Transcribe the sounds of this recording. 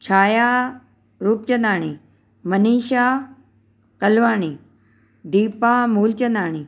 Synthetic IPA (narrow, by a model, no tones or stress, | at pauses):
t͡ɕʰaːja | ɾuːp̚t͡ɕɐ̃nd̪aːɳ̃i | mɐniːʃa | kɐlʋaːniː | ɖiːpamuːlt͡ɕə̃nd̪aːɳ̃i